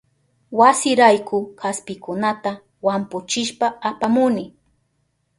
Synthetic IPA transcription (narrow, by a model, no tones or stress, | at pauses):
wasɪɾajkʊkaspɪkʊnat̪a | wampʊt͡ʃɪʃpaapamʊnɪ